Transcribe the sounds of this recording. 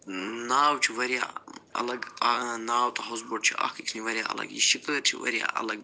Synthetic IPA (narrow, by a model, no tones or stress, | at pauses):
naːwt͡ʃʰiʋɐɾijaɐ̰lɐɡnaːwt̪ʰʼɐɦozboɖ̚t͡ʃʰia̰kʰikʰniʋɐɾʲjaːɐ̰lɐ̰ɡjḭʃikʼət̪t͡ʃʰiʋɐ̰ɾija̰ʔɐ̰lɐɡ